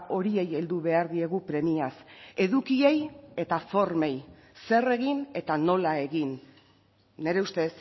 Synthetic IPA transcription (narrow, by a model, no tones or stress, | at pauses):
o̞ɾie̞je̞ld̪uβe̞aɾðie̞ɣupɾe̞miase̞ðukie̞je̞t̪afo̞ɾme̞j | se̞re̞ɣine̞t̪ano̞lae̞ɣinː | e̞ɾe̞ust̪e̞s